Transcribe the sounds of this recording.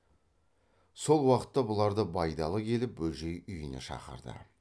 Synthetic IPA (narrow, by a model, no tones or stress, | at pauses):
so̞lˠwɑqə̥t̪ːɑbʊlˠɑɾd̪əbɑjd̪ɑlˠəkʲʰe̞lɪp̚bɵlʒe̞jʏjəne̞̰ʃɑ̰qə̰ɾd̪ə̰